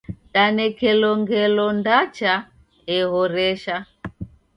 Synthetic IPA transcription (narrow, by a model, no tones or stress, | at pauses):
ɗanɛkɛlɔŋɡɛlɔndat͡ʃa | ɛɦɔɾɛʃa